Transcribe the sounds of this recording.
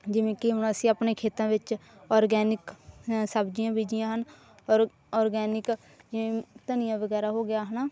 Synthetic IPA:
d͡ʒɪʋẽːkɪɦʊnaːsĩːapneːkʰeːt̪ãːʋɪt͡ʃɔːɾɡɛːnɪksəbd͡ʒɪjãːbiːd͡ʒɪjãːɦən | ɔɾ | ɔːɾɡɛːnɪk | d͡ʒɪʋẽːt̪ənɪjãːʋəɡɛːɾaːɦoːɡɪjaːɦənaː

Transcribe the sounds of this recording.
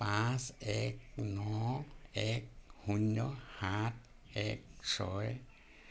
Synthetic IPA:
pãsɛk̚nɔ | ɛk̚huɲːɔhat̚ʰ | ɛk̚sɔ̰j

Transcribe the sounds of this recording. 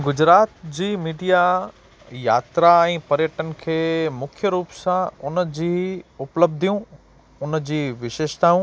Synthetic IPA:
ɡʊd͡ʑɾaːt̪d͡ʑiːmiːɖija | jaːt̪ɾaɛ̃ːpɐɾjəʈənkʰeːmʊkʰjəɾuːpsãʊnəd͡ʑiːʊpləb̚d̪ʱijũ | ʊnd͡ʑiːʋɪʃeːʃt̪aːũ

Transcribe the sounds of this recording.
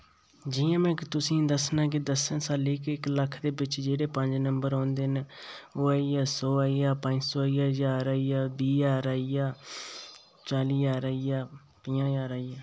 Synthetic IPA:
d͡ʒɪjãːmɛ̃ːkt̪ʊsĩːd̪əsnãːk̬ɪd̪əsənsaːlɪkɪkləkʰd̪eːbɪt͡ʃd͡ʒeːɽeːpə̃ɲd͡ʒnəmbəɾãːnd̪eːnːoːaːjaːsoːaijaːpə̃ɲd͡ʒsoːɪjaːd͡ʒaːɾaːijaːbiːjaːɾaːijaː | t͡ʃaːliːjaːɾaːijaː | pɪjãːjaːɾaːijaː

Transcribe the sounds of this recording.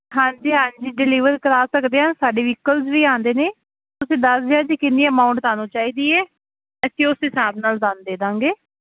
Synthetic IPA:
ɦãːɲd͡ʒiːɦãːɲd͡ʒiːɖɪliːʋəɾkəɾaːsəkd̪eːɦaːnsaːɖeːʋɪkəlzʋiːãːnd̪eːneː | t̪ʊsẽːd̪əsd̪eãːd͡ʒiːkɪnːiːəmaːʊ̃ɳʈsaːnũːt͡ʃaːiːd̪iːɛː | əteːʊsĩːsãːbnaːld̪aːnd̪eːd̪ãːŋɡeː

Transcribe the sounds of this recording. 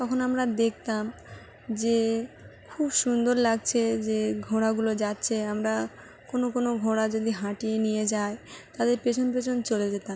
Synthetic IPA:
t̪ɔkʰonamɾad̪ek̚ʰt̪am | d͡ʑe | kʰubʃund̪oɾlaɡ̚t͡ɕʰed͡ʑeɡʱoɽaɡulod͡ʑatːɕʰeamɾa | konokonoɡʱoɽad͡ʑod̪iɦãʈienijed͡ʑaet̪ad̪eɾpet͡ɕʰonp̬et͡ɕʰont͡ɕoled͡ʑet̪am

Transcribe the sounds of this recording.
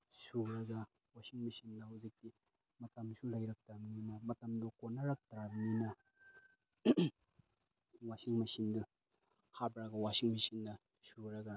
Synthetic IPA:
suɾɐɡa | wasiŋmɐsind̪ɐhuzik̚ti | mɐtɐmsulajɾɐk̚tɾabninɐmɐtɐmdokonaɾɐk̚tɾabninɐ | wasiŋmɐsindɯ | habɾɐɡɐwasiŋmɐsind̪ɐ | suɾɐɡa

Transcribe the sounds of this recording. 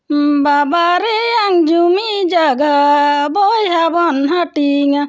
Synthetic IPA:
m̩babaɾijaŋd͡ʒumid͡ʒaɡabɔjiɦabɔn̩ɦaʈiŋa

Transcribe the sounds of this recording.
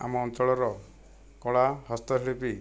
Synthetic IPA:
a̰mɔːntɔɭɔɾɔ | kɔɭahɔst̪ɔtʰiɭipi

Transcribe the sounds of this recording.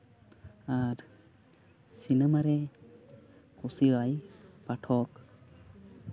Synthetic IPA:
aɾ | sinɛmaɾɛ | kusiajpaʈʰɔk

